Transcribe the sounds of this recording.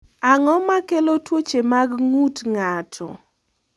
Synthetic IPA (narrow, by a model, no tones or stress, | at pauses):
aŋɔmakelotwot͡ʃemaɡŋutŋatʰɔ̰